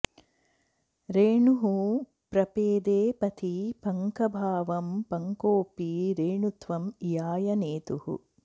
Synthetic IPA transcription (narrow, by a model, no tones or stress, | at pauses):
ɾeːɳuɦu | pɾɐpeːd̪eːpɐt̪ʰipɐŋkɐbʱaːʋɐmpɐŋkoːpiɾeːɳut̪ʋɐmjaːjɐneːt̪uhṵ